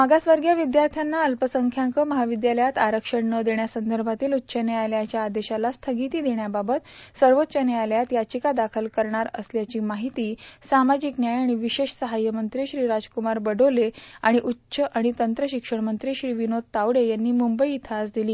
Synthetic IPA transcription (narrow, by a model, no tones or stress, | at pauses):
məɡasʋaɾɡjaʋid̪jaɾt̪ʰjanːaəlpəsəŋkʰjaŋkəməɦaʋid̪jaləjat̪aɾəkʂəɳnəd̪eɳjasənd̪əɾbʱat̪iːlut̪ːɕʰənealjat͡ɕjaːd̪eɕalast̪ʰəɡit̪iːd̪eɳjababət̪səɾʋot̪ːɕənealjat̪jat͡ɕikad̪akʰəlkəɾɳaɾə̰sljat͡ɕiːmaɦit̪iːsamad͡ʑiknjajaɽ̃iʋiɕeɕsəɦajːəmənt̪ɾiːɕɾiɾad͡zkumaɾbəɖoleaɽ̃iʔutːɕʰəʔaɽ̃it̪ənt̪ɾəɕikʂəɳmənt̪ɾiːɕɾiːʋinod̪̚t̪aʋɽejanːiːmumbəiːt̪ʰasd̪iliː